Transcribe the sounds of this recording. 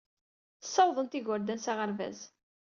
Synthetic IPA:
θə̥sːɑwðˤənt̪iʝʊɾd̪ænsaʁəɾvæ̰z

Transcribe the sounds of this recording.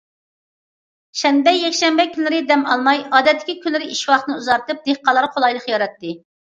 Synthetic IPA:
ʃɛnbɛjɛkʲʃɛmbɛkʲʰynlɪɾɪd̪ɛmɑlˠmɑjɑːd̪ɛt̪ːɪ̥kʲikʲynlːɪɾɪʔiʃwɑχt̪nɨuzɑɾt̪ɨp̚d̪eχqɑlˠɑɾqʰolˠɑjlˠəχjɑɾɑt̪ːɨ

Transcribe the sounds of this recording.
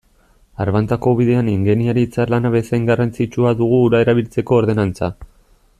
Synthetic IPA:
aɾβant̪ako̞βiðe̞aniŋɡeniaɾiːt͡saɾlanaβe̞sajŋɡarant͡sit͡ʃuaðuɣ̞uːɾae̞ɾaβ̞ilt͡se̞ko̞ːɾðe̞nant͡sa

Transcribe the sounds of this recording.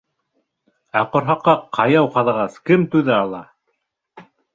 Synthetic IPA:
æqŏɾɦɑqːɑqʰɑjɑwqɑðɑʁɑskɘmt̪ʉðæɑlˠɑ

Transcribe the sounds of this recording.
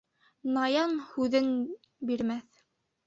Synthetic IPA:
nɑjɑnhʉðɘn | biɾmæθ

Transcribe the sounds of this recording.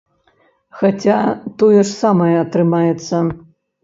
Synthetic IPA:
xat͡sʲat̪ɔjɛʂsamɐjɛɐt̪ɾɨmajɛt̪sːɐ

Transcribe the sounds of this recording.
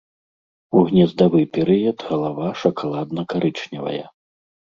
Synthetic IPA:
uɣnʲɛzd̪avɨpʲɛɾɨjɐt̪ɣɐlˠavaʂɐkalˠad̪nɐkaɾʔɨt͡ʂnʲɛvɐ̰jɛ̰

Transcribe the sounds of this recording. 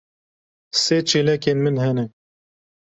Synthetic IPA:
seːt͡ʃʰeːlɛkeːnmɨnhɛnɛ

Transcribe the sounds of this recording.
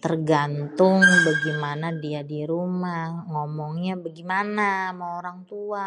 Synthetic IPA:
t̪ərɡant̪ʊŋbaɡimanadiadiɾumahŋɔmɔŋɲabaɡimanamaoɾaŋt̪ua

